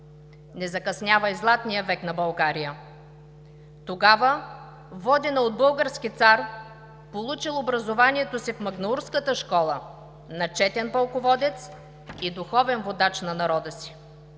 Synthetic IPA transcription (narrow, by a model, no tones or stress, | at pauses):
nɛzɐkɐsnʲavɐjzlˠat̪nijəvɛknɐbɐlˠɡaɾijə | t̪oɡavə | vɔd̪ɛnɐod̪̚bɤlˠɡəɾskit̪saɾ | polˠut͡ʃilˠobɾɐzovaniɛt̪osifmɐɡnouɾskət̪əʃkɔlˠə | nɐt͡ʃɛt̪ɛnpɐlˠkovɔd̪ɛt̪s | id̪uxɔvɛnvod̪at͡ʃnɐnɐɾɔd̪əsi̥